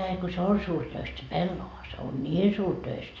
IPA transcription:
ɑi ko se on suːrtøist se pelːoʋɑ se on nʲiːn suːrtøistæ

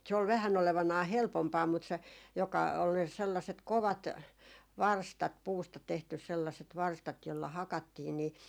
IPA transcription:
se ol ʋæhæn oleʋɑnɑː helpompɑː mut se jokɑ ol selːɑset koʋɑt ʋɑrstɑt puːstɑ tehtys selːɑset ʋɑrstɑt jolːɑ hɑkɑtːiːn ni

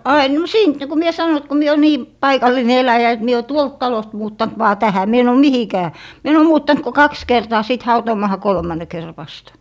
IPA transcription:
ɑin m siːnt niku mie sɑno et ko mie o niː pɑikɑlˑine elæjæ et mie o tuolt tɑlost muːtːɑnt ʋɑː tæhæ mie en oˑ mihikæː mie en o muːtːɑnt ko kɑks kertɑː sit hɑutoːmɑːhɑ kolmɑˑnːe kerːɑ̆ ʋɑstɑ̥

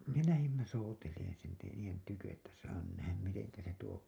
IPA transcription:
me læhimːæ souteleːn silti niːjen tykøʔ ʔetːæ sɑː nyn næhæm miteŋkæ se tuo

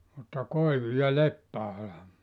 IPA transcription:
mutːɑ koiʋu jɑ lepːæɑlɑ

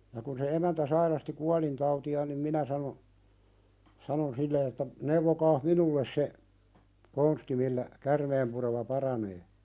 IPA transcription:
jɑ kun se emæntæ sɑirɑsti kuɑlintɑutiɑːn nim minæ sɑno sɑnon silːe etːæ neuʋokɑːh minulːes se konsti milːæ kærmeːmpuremɑ pɑrɑneː

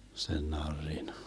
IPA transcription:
sen nɑrːin

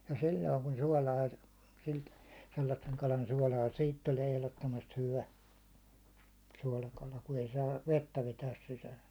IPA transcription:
jɑ silʲːoiŋ kun suɒlɑː silt selːɑsːeŋ kɑlɑn suɒlɑː siːt tulie ehlotːomɑst hyʋæ suɒlɑkɑlɑ ku ei sɑːʋ ʋetːæ ʋetæːs sisæːs

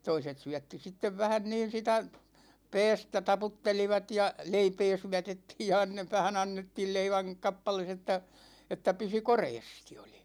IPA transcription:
toiset syætːi sitːeʋ ʋæhæn niːn̞ sitæ pɛːstæ tɑputːeliʋɑt jɑ leipeː syætetːiːj jɑ ɑnːe ʋæhæn ɑnːetːiːl leiʋæŋ kɑpːɑles etːæ etːæ pysy koreːsti̥ o̥l̥i̥

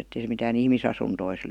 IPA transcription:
etːei se mitæːn ihmisɑsuntois

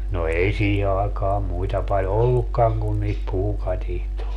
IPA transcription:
no ei siːhe ɑːkɑːm muitɑ pɑlʲ olːukːɑŋ kun niːt puːkɑtihtoi̯t

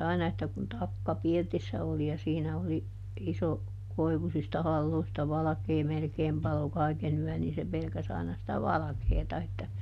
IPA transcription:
ɑinɑ etːæ kun tɑkːɑ pirtisːæ oli jɑ siːnæ oli iso koiʋusistɑ hɑlːoistɑ ʋɑlɑ̆keː melkeːm pɑlo kɑˑiken yœˑn niː se pelkæs ɑinɑ sĭtæ ʋɑlɑ̆keːtɑ etːæ

